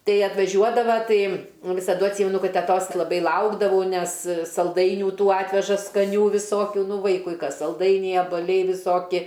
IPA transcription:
ˈtɐɪ ɐtʋɐˈʒʲuɔdɐʋɐ ˈtɐɪ ʋʲɪsɐˈdʊ ɐtʲˈsʲiːmʲɛnʊ ˈkɐt tʲɛˈtoːs lˠɐˈbɐɪ ˈlˠɐʊɡdɐʋɐʊ ˈnʲɛs sɐlˠˈdɐɪnʲuː ˈtuː ˈɑːtʲʋʲɛʒɐ skɐˈnʲuː ʋʲɪˈsoːkʲʊ ˈnʊ ˈʋɐɪkʊɪ ˈkɐs sɐlˠˈdɐɪnʲɛɪ ɐbɐˈlʲɛɪ ʋʲɪˈsoːkʲɪ

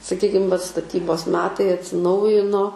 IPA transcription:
sɐˈkʲiːkʲɪm ʋɐt stɐˈtʲiːboːs ˈmʲæːtɐɪ ɐtʲsʲɪˈnɐʊjɪnoː

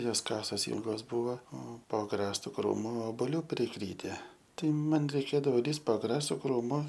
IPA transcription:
ˈjoːs ˈkɑːsoːs ˈiːlˠɡoːs ˈbʊʋoː oː poː ɐɡˈrɑːstʊ ˈkruːmʊ oːboːˈlʲuː pʲrʲɪˈkrʲiːtʲɛ ˈtɐɪ ˈmɐn rʲɛɪˈkʲeːdɐʋoː ˈlʲiːst poː ɐɡˈrɑːstʊ ˈkruːmʊ

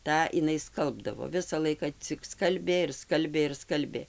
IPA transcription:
ˈtɑː ɪˈnɐɪ ˈskɐlˠbdɐʋoː ˈʋʲɪsɐ ˈlˠɐɪkɐ t͡sʲɪk ˈskɐlʲbʲeː ɪr ˈskɐlʲbʲeː ɪr ˈskɐlʲbʲeː

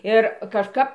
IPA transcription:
ˈɪr kɐʃˈkɐp

